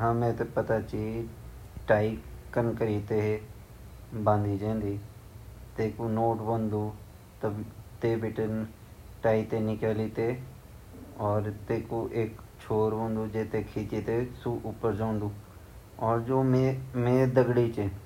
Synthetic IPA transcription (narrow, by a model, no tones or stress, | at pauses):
ɦãːmɛ̃ːt̪epət̪at͡ʃii | ʈaːikənkəɾiːt̪eɦe | bãːnd̪iːd͡ʒẽːnd̪iː | t̪eːkonoːʈbõːnd̪uː | t̪əbt̪eːbɪʈən | ʈaːit̪enɪkəːliːt̪e | ɔːɾt̪eːkoʔeːk | t͡ʃʰoːɾbõːnd̪ud͡ʒeːt̪ekʰiːt͡ʃit̪esuʔʊpəɾd͡ʒãːnd̪uː | ɔːɾd͡ʒoːmemẽːd̪əɡɽit͡ʃe